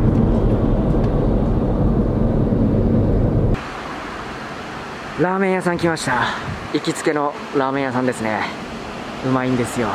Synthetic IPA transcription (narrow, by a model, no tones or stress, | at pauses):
ɾaːmẽ̞ɰ̃jasãŋkʲimaɕi̥t̪a | ikʲit͡sɨ̥ke̞no̞ | ɾaːmẽ̞jasãnd̪e̞sɨne̞ | ɯ̟maĩnd̪e̞sɨjo̞